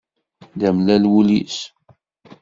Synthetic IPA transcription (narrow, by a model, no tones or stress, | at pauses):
d̪æmlælwulḭs